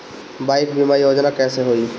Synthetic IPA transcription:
baːɪkbimaɾijoːd͡ʒnakɛːseɦoi

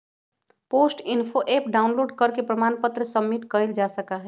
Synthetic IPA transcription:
poːsʈɪnpʰoʔepɖaʊnloːɖkəɾkepɾəmanpət̪ɾəsəmːiʈkəld͡ʒasəkaɦɛ

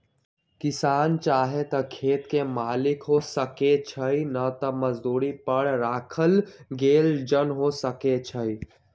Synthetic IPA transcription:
kɪsaːnt͡ʃaːɦet̪əkʰeːt̪kemaːlɪkɦosəket͡ʃʰəinət̪əməzd̪uːɾipəɽɾaːkʰəlɡeːld͡ʒənɦosəket͡ʃʰəi

